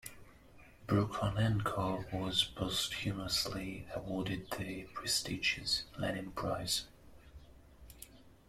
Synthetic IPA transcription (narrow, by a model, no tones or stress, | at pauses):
b̥ɹukʰɔnɛ̃nkʰowɒzboʊsthjʉməəsliəwɔːdɪd̪̚ðɨpʰɹ̥ɛstid͡ʒɪz̥lɛnɪ̃ŋpʰɹ̥aɪz̥